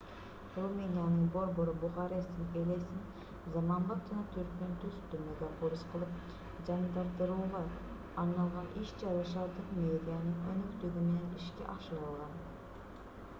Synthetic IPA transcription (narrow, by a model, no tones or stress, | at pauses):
ɾomenijɑnɨŋboɾboɾɯbʊχɑɾesɪnelʲejsɪn | zɑmɑnbɑt̪ʰɪnɑt̪ʰyɾkʲent̪ʰøzt̪ʰymyɡʲɛʔoɾɯsqʰəlˠɯp̚ | d͡ʒɑnd̪ɑɾd̪ɯɾuʁɑː | ɾnɑlˠʁɑnʔiʃd͡ʒɑɾɑʃɑlˠd̪əqmeed̪ijɑnɨŋønykt̪yɡʲimeneniʃkʲɛ̰ʔɑʃɯɾɑlˠʁɑn